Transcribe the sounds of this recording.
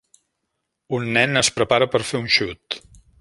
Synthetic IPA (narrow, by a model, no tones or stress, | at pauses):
unːɛnəspɾəpaɾəpəɾfeunʃut̪